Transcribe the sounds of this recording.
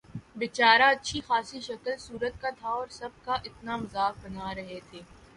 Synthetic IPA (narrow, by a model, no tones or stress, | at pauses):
bɪt͡ʃaːɾaɐtːʃʰixaːsiʃɐkəlsuːɾət̪̚kat̪ʰaɔːɾsɐb̚kaʔɪt̪namɐzaːk̚bɐnaɾɐɦet̪ʰeː